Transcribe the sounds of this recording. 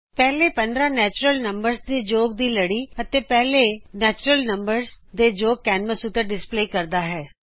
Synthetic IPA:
pɛːleːpə̃nd̪ɾãːnɛːt͡ʃɾəlnəmbəɾsd̪eːd͡ʒoːɡ̚d̪iːləɽiːət̪eːpɛːleːnɛːt͡ʃɾəlnəmbəɾzd̪eːd͡ʒoːɡ̚kɛːnməsut̪əɾɖɪspleːkəɾd̪aːɦɛː

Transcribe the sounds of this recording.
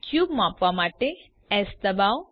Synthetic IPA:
kjubmãpʋamaʈe | ɛsd̪əbaw

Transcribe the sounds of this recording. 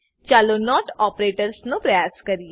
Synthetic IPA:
t͡ʃaːloːnɔːʈɔːpɾeːʈəɾsnũːpɾəjaːskəɾiɛ

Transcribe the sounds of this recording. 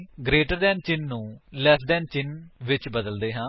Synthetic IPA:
ɡɾeːʈəɾd̪ɛːnt͡ʃɪnːũːlɛːsɖɛːnt͡ʃɪnʋɪt͡ʃbəd̪əld̪eːɦãː

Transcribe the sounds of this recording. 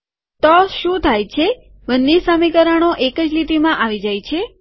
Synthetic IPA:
t̪ɔʃũt̪ʰajt͡ʃʰe | ʋənːisamikəɾaɽ̃oʔekəd͡ʒliʈ̪imãʔaʋid͡ʒajt͡ʃʰe

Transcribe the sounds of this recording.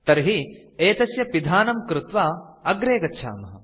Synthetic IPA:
t̪ɐɾɦi | eːt̪ɐsjɐpid̪ʱaːnɐmkɾɪt̪ʋaːɐɡɾeːɡɐtːʃʰa̰ːmɐɦɐ̰

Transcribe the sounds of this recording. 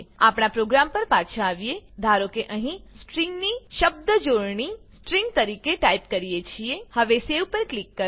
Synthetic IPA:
apɳ̃apɾoɡɾampəɾpat͡ʃʰãːʋijed̪ʱaɾokeʔəɦĩsʈɾiŋɡniʃəb̚d̪əd͡ʒoɾɳisʈɾĩŋɡt̪əɾikeʈaipkəɾijet͡ʃʰiehəʋesewpəɾklikːə

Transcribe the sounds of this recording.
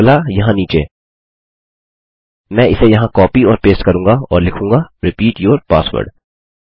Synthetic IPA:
lajɐɦãniːt͡ʃeː | mɛ̃ːɪsejɐɦãkɔːpiɔːɾpeːsʈkɐɾũːŋɡaɔ̰ːɾlɪkʰũːŋɡaɾɪpiːʈjoːɾpaːsʋə̰ːɾɖ

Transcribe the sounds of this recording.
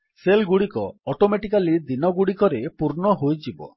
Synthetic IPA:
selɡuɽikɔɔʈomeʈikalid̪inɔɡuɽikɔɾepuɾɳɔɦojd͡ʒibɔ̰

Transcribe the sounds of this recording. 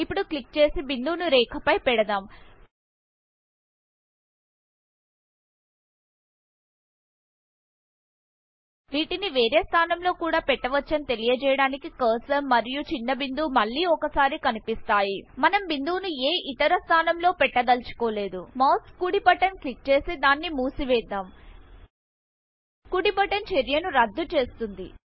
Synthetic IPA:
ipːuɽuklik̚t͡ʃe̞ːsibind̪uːnuɾɛːkʰɐpɐjpɛɽɐd̪aːm | ʋiːʈiniʋeːɾeːst̪ʰaːnɐmlo̞ːkuːɽaːpɛʈːɐʋɐt͡ʃːɐnit̪e̞lijɐd͡ʒɛjɐɽaːnikikɐːsɐmmːɐɾijut͡ʃinːɐbind̪uːmɐɭːiːɔkɐsaːɾikɐnipist̪aːjimɐnɐmbind̪uːnueːʔit̪ɐɾɐst̪ʰaːnɐmlo̞ːpɛʈːɐɡ̪ɐlt͡ʃu̥koːle̞ːd̪umaːskːuɽipɐʈɐnklik̚t͡ʃe̞ːsid̪aːnːimuːsiʋɛːd̪ːaːm | kuɽipɐʈɐnt͡ʃeɾjɐnuɾɐd̪ːut͡ʃe̞ːst̪und̪ḭ

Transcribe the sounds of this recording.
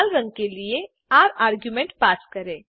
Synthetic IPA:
lɾɐ̃ŋɡ̚kelie | aːɾaːɾɡjumẽɳʈpaːskɐɾẽː

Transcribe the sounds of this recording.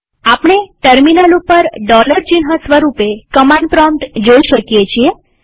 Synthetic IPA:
apɳeʈəɾminalupəɾɖɔləɾt͡ʃinɦãsʋəɾupekəmãɳɖpɾɔmʈd͡ʒoiʃəkjet͡ʃʰie

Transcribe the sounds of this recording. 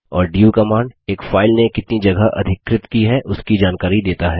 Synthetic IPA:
ɔːɾɖiːukɐmaːɳɖeːkfaːɪlnekɪt̪nid͡ʒɐɡaʔɐ̰d̪ʱɪkːɾɪt̪kiɦɛʔʊskid͡ʒaːnkaːɾid̪eːt̪aɦɛː

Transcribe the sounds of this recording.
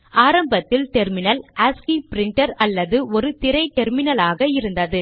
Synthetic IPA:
aːɾɐmbɐt̪ːɪlʈɛɾmɪnɐlaːskipɪɾɪɳʈɐɾɐlːɐðɯɔɾɯt̪ɪɾɐɪʈɛɾmɪnɐlaːɣɐɪɾɯnd̪ɐðɯ

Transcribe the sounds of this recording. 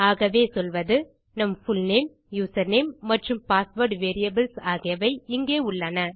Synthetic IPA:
aːɣɐʋeːsɔlʋɐðɯ | nɐmfʊlneːm | juːsɐɾneːmːɐʈrɯmpaːsʋoːɾʈʋeːɾɪjɐbɪlsaːɣɪjɐʋɐɪɪŋɡeːʊɭːɐnɐ

